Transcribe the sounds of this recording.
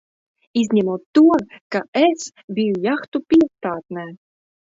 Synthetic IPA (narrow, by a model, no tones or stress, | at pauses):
izʲnʲɛmuːt̪ːuɔkaes | vʲijujaxt̪upʲiɛst̪aːt̪nɛː